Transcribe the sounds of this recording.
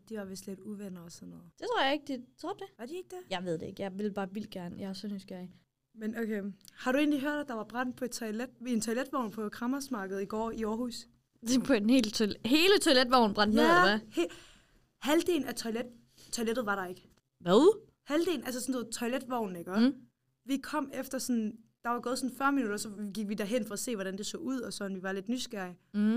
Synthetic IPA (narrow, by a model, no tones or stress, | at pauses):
d̥iʋɑ̈ʋesd̥led̥uʋenɐɒsɒnːɔːð̩ˠd̥e̝t͡sʰʁo̰ɐjɑeɡ̥əd̥it͡sʰʁɔ̥d̥eʋɑ̈d̥ie̝ɡ̥̚d̥æjɑ̈ɪʋeð̰ˠdee̝ɡ̥jɑ̈ɪʋe̝lb̥ɑ̈ːʋil̰̥̚ɡ̥æɐnjɑ̈ɪæɐsɔnysɡ̥æɐi | menʔokʰehɑ̈ɾue̝ːnliɦøɐ̰ɾ̥æd̥ɑ̈ʋɑ̈b̥ʁɑn̰d̥̚pʰɒ̽ed̥t͡sʰɒɪled̥e̝nt͡sʰɒ̽ɪled̥ʋɒʊ̰npʰɒ̽kʰʁɑ̈mɐsmɑ̈ːɡ̥əð̩ˠiɡ̥ɒ̰ːiɒːɦhus | pʰɒ̥̽enhe̝̰ːlt͡sʰɒlhe̝ːlət͡sʰɒ̽ɪled̥ʋɒʊ̰n̩b̥ʁɑ̈n̰d̥neðˠæhe | hæld̥e̝̰ːln̩æt͡sʰɒɪled̥ | t͡sʰɒled̥ð̩ˠʋɑ̈ɾɑ̈e̝ɡ̥ə | ʋoðˠ | hæld̥e̝ːln̩æls̬əsɒ̽nset͡sʰɒɪled̥ʋɒʊ̰nnæɡ̥ɶɐ | ʋikʰɒ̽m̰efd̥ɐsɒ̽nd̥ɑ̈ʋɑ̈ɡ̥ɔ̽ːð̞̩ˠsɒ̽n̩fɶɐminuɾ̥ɐsɒ̽ɡ̥iɡ̥ʋid̥æɐɦen̰fɒ̽ːse̝̰ːʋɒɾ̥ænd̥e̝sɔ̰ːuð̰ˠɒ̽sɒ̽nʋiʋɑ̈le̝d̥nysɡ̥æɐ̰i